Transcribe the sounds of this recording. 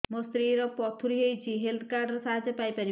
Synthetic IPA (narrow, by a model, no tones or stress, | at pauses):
mɔst̪ɾiɾɔpɔt̪ʰuɾiɦejt͡ʃʰiɦelt̪ʰkaɾɖɾɔsaɦad͡ʒɔpajpaɾi